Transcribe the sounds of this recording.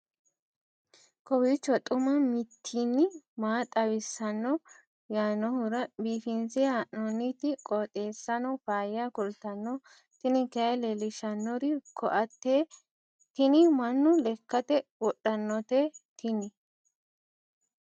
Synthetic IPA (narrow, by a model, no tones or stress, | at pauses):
kɔwit͡ʃːɔt̪ʼʊmɐmɪt̪ʰːinːɪmaːt̪ʼɐwɪsːɐnːɔ | jaːnɔhʊɾɐbiːfɪnsɪaʔnɔnːɪt̪ɪkʼɔːt̪ʼe̞ːsːɐnɔfaːjakʊlt̪ɐnːɔ | t̪ɪnɪkɐɐlɛlɪʃɐnːɔɾɪkʰɔʔɐt̪ːeː | t̪ɪnɪmɐnːʊlɛkːɐt̪ɛwɔɗːɐnːɔt̪eːt̪ʰɪnɪ